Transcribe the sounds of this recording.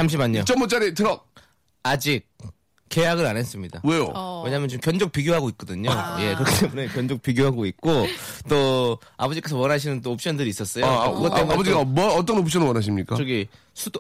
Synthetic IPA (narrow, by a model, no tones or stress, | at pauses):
sʰamɕ̬ʰimaɲot͡ɕʌmot͡ɕ͈aɾitʰɯɾʌk̚ | ad͡ʑik͈̚ː | e̞jaɡɯɾanɦes͈ɯmɲida̰wejo̰we̞ɲamjʌnt͡ɕomkjʌnd͡ʑok̚piɡjoɦaɡoit̚k͈ʌdɯɲoje̞kɯɾʌkʰi̥t͈emune̞kjʌnd͡ʑok̚p͈iɡjoɦaɡoit̚k͈ot͈o | abʌd͡ʑik͈e̞sʰʌwʌnaɕ̬ʰinɯnt͈oːp̚ɕ͈ʌndɯɾiːs͈ʌs͈ʌjkɯɡʌtaemubʌd͡ʑiɡamʌʌt̬͈ʌnop̚ʰɕ͈ʰʌnɯwʌnaɕ̬ʰimɲik͈at͡ɕoɡi | sʰud